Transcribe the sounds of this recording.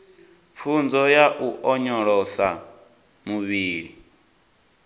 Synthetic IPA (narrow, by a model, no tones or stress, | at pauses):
fund͡zɔjaʔuʔɔɲɔɺɔsa | muβiːɺi